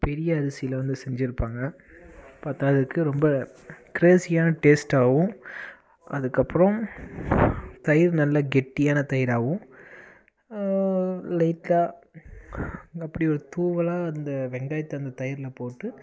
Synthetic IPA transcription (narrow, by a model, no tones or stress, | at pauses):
pɛɾɪjɐːɾɐsɪjɐlʋɐnd̪ɯsɛɲd͡ʒɪɾɯpːaːŋɡɐ | pɐt̪ːaːðɐkːɯɾɔmbɐ | kɪɾeːsɪjaːnɐʈeːsʈaːʋʊ̃ | ʔɐðɯkːɐpːɯɾɐ̃m | t̪ɐjɪɾnɐlːɐɡɛʈːɪjaːnɐt̪ɐjɪɾaːʋɯ̃ | lɐɪʈlaː | ɐpːɐɽiɔɾɯt̪uːʋɐlaːɐnd̪ɐʋɛŋɡaːjɐt̪ːɐɐnd̪ɐt̪ɐjɐɾɪlɐpoːʈːɯ